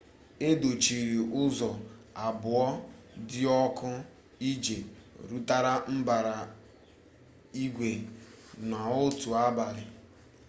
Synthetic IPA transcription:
e˦do˨t͡ʃi˨ɾi˨ʔʊ˦zɔ˨a˨bʊ˨ɔ˦dɪ˦ɔ˦kʊ˦ | i˦d͡ʒie˨ɾu˦ta˦ɾa˦m̩˦ba˨ɾa˨ | i˦ɡʷe˨ | na˨o˦tu˨a˦ba˨ɾɪ˨

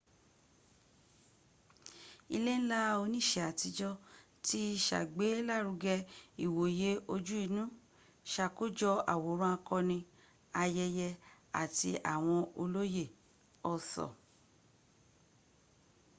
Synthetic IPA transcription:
i˧le˦ñ̩˦la˦o˧nĩ˦˨ʃɛ˨a˨ti˧d͡ʒɔ˧ | ti˦˧ʃa̰˨ɡ͡be˨˦la˦˨ɾu˧ɡɛ˧i˨wo˨je˨˦o˧d͡ʒu˦i˧nũ˦ | ʃa˧˨ko˦d͡ʒɔ˧a̰˨wo˨˦ɾ̃ũ˦a˧kɔ̃˧nĩ˧ | a˧jɛ˧jɛ˧a̰˨ti˧ʔa̰˨w̃ɔ̃˧o˧lo˦je˦˨ | ɔ˧sɔ̰˨

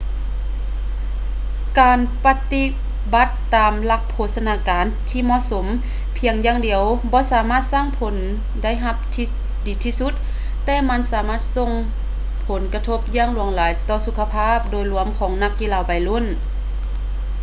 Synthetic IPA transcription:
kaː˨˩npa˧t̪i˧ | ba˧˦t̪ːaː˨mla˧k̚pʰːoː˧t̪̚sa˧naː˧˥kaː˨nt̪ʰiː˧˨mɔ˧˨ʔso˨˦m | pʰi˨˧˦əŋjaː˧˨ŋdi˨˩əwbɔː˧˦saː˨˦maː˥˨t̪̚saː˧˥˨ŋpʰo˨˦n | da˥˨jɦa˧p̚t̪ʰi˧ | diː˨˦t̪ʰiː˧˥su˧˥t̪̚ː | ɛː˧ma˧˥˨nsaː˨˦maː˧˥˩t̪̚so˧˨ŋ | pʰo˨˦nka˧t̪ʰo˧˩p̚jaː˧˥˨ŋlu˨˩˦əŋlaː˨˦jt̪ɔː˧˩su˧kʰːa˧pʰaː˥˨p̚doː˨jlu˧˩˦əmkʰɔː˨˦ŋna˧˥kːi˧laː˧˩wpa˨˩jlu˧˥˨n

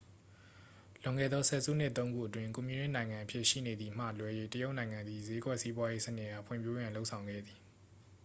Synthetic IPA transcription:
lʊ̃˨ŋɛ̰˦˨d̪ɔ˦sʰɛ̰˦˨zṵ˦˨n̥ɪ˦ʔt̪ːõ˦ʊ̃ŋɡṵ˦ʔətwɪ̃˦˨ŋku˨mji˨ɹɪ̃˦˨nã˨ɪ̃ŋã˨ʔəpʰjɪ˦˨ʃḭ˦˨ne˨d̪i˨m̥ä̰˦˨lwɛ˦je˦˨tə˦jo˦ʊʔnã˨ɪ̃ŋã˨nd̪ði˨ze˨˦ɡwɛ˦ʔsi˦bwa˦je˦sənɪ˦ʔha˦˨pʰwɪ̰̃˨mpʰjo˦jã˨nlo˦ʊʔsʰã˨ʊ̃ŋɡɛ̰˦˨d̪ði˨

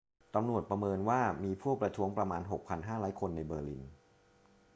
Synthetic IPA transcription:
t̪a˧mnu˨˩ət̪̚pɾa˧mɤː˧nwaː˥˩miː˧pʰuː˥˩pɾa˧t̪ʰu˦˥əŋpɾa˧maː˧nɦo˨˩k̚pʰa˧nɦaː˥˩ɾɔː˦˥jkʰo˧nːa˧jbɤː˧lḭ˧n

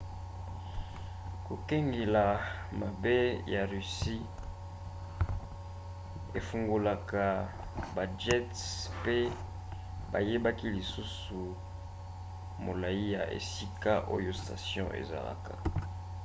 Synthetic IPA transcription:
ko˨kɛ˦ŋɡe˨la˨ma˨be˦ja˨ʁy˨si˦ | e˨fu˨ŋɡu˨la˨ka˨ | ba˨d͡ʒɛ˦tpe˦ | ba̰˨je˦ba˦ki˦li˨su˦s | u˨ | mo˨la˨ji˦ja̰˨ʔḛ˨si˦ka˦ʔo̰˦jo˦sta̰˨sjɔ̰̃˦ʔḛ˨za̰˨la̰˨ka̰˨

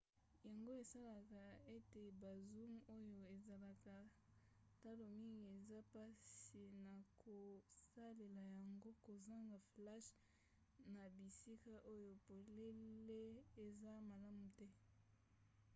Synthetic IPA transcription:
ja˨ŋɡo˦e˨sa˦la˨ka˨e˦te˨ba˨zu˦mo˦jo˨e˨za˨la˨ka˨ | ta˦lo˨mi˦ŋɡi˨e˨za˦pa˦si˨na˨kʰo˨sa˦le˨la˨ja˨ŋɡo˦ko˨za˦ŋɡa˨fla˦ʃ | na˨bi˨si˦ka˦ʔo˦jo˨po˨le˦le˦e˨za˦ma˨la˦mu˨tɛ˦

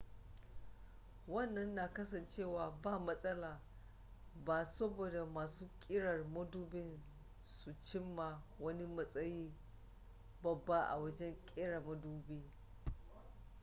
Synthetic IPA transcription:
wɐ˦˨nːɐ˦nːaː˨kɐ˦sɐ˨nt͡ʃeː˦˨waː˨baː˦˨mɐ˦sʼɐ˦laː˨ | baː˨sɐ˦boː˨da˨maː˨suː˦kʲʼɪ˦ɽɐ˨rmɐ˦duː˦bɪ˦n | su˨t͡ʃɪ˦mːa˨wɐ˦ni˦mɐ˦sʼɐ˦jiː˦ | bɐ˨bːa˦ʔa̰˨wɐ˦d͡ʒɛ˦ŋkʲʼɪ˦ɽa˨mɐ˦duː˦biː˦

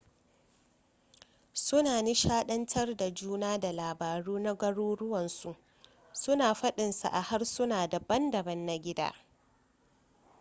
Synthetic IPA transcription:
sʊ˦naː˨ni˦ʃaː˦ɗɐ˦ntʰɐ˦rda˨d͡ʒuː˦naː˦da˨laː˨baː˨ɽuː˦na˦ɡʷɐ˦ɽuː˦ɽʊ˦wɐ˨nsu˨ʔ | sʊ˦naː˨ɸɐ˦ɗɪ˨nsa̰˨ʔa˨ha˦rsʊ˦naː˨da˨bɐ˦ndɐ˨bɐ˦nːa˦ɡʲɪ˦da̰ː˦

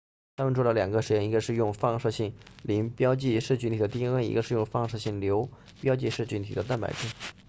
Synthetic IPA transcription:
t̪ʰa˥mə˨nʈ͡ʂʰu˥lə˧˩ljɑ˨˩ŋɡə˦ʂɻ̩˧˥jɛ˥˩ni˧˥ɡə˧ʂɻ̩˥˧jʊ˥˧ŋfɑ˥˧ŋʂɤ˥˧ɕi˥˩ŋli˧˥ŋpjɑ˥ʊt͡ɕi˥˧ʂɻ̩˥˩t͡ɕʰy˧˥nt̪i˨˩d̪ə˦t̪i˥ŋə˥˩nḭ˧˥ɡə˧ʂɻ̩˥˧jʊ˥˧ŋfɑ˥˧ŋʂɤ˥˧ɕi˥˩ŋljo˧˥ʊ | pjɑ˥ʊt͡ɕi˥˧ʂɻ̩˥˩t͡ɕʰy˧˥nt̪ʰḭ˨˩d̪ə˦t̪a˥˩npa̰˨˩ɪʈ͡ʂi˥˩

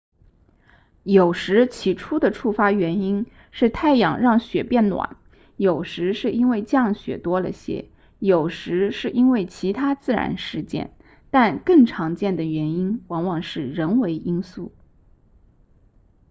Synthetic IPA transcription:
jo˨˩ʊʂɻ̩˧˥t͡ɕʰi˧˥ʈ͡ʂʰu˥d̪ə˨ʈ͡ʂʰu˥˩fa˥ɥɛ˧˥ni˥n | ʂɻ̩˥˧t̪ʰa˥˩ɪjɑ̰˨˩ŋɻɑ˥˩ŋɕɥɛ˨˩pjɛ˥˩nnwa̰˨˩˦n | jo˨˩ʊʂɻ̩˧˥ʂɻ̩˥˩i˥nwe˥˧ɪt͡ɕjɑ˥˩ŋɕɥɛ̰˨˩t̪wɔ˥lə̰˨ɕjɛ̰˧˥ | jo˨˩ʊʂɻ̩˧˥ʂɻ̩˥˩ʔi˥nwe˥˩ɪt͡ɕʰi˧˥t̪ʰa˥t͡sɹ̩˥˩ɻa̰˧˥nʂɻ̩˥˧t͡ɕjɛ̰˥˩n | t̪a˥˧nkɤ˥˩ŋʈ͡ʂʰɑ˧˥ŋt͡ɕjɛ˥˩nd̪ə˩ɥɛ˧˥ni˥nwɑ˧˥ŋwɑ˨˩ŋʂɻ̩˥˩ɻə˧˥nwe˧˥ɪʔi˥nsu˥˩

